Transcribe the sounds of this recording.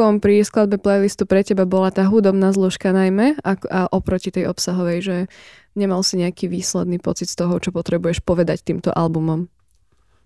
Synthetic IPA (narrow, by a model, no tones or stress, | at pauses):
ɔmpɾisklad̪bɛplɛjlist̪upɾɛcɛbabɔlat̪aːɦud̪ɔbnaːzluʃkanajmɛakaʔɔpɾɔcit̪ɛjɔpsaɦɔʋɛjʒɛ | ɲɛmalsiɲɛakiʋiːslɛd̪niːpɔt͡sit̪st̪ɔɦɔt͡ʃɔpɔt̪ɾɛbujɛʃpɔʋɛd̪act̪iːmt̪ɔ̰ʔalbumɔm